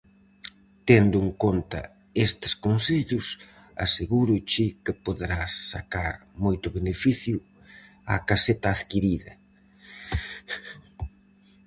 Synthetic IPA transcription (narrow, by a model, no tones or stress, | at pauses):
t̪end̪ʊeŋkont̪ɐ̰ | est̪ɪ̥skonseʎʊs | a̰seɣuɾʊt͡ʃɪkɪpoðeɾasːakaɾmojt̪ʊβenefiθjʊ | a̰kaset̪ɐːðkiɾiðɐ̰